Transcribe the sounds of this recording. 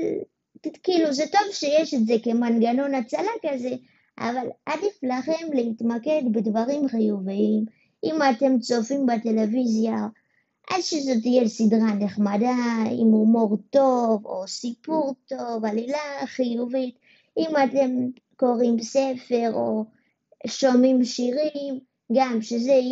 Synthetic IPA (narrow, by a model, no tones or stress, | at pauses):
l | kiluzeto̞vʃejeʃetze̞ke̞manɡanonat͡salakaze̞ | ʔa̰valʔadiflaχe̞mleitmake̞dbedvaʁimχijuviim | ʔimate̞mt͡so̞fimbate̞levizja | ʔadʃezo̞t̬ijesidʁane̞χmadaḭmumo̞ʁto̞vo̰sipuʁto̞valilaχijuvit | imate̞m | ko̞ʁimse̞fe̞ʁo̞̰ | ʃo̞mimʃiʁim | ɡamʃeze